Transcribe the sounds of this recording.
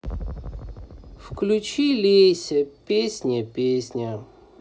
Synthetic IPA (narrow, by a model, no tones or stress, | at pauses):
fklʲut͡ɕilʲisʲəpʲesʲnʲɪpʲesʲnʲə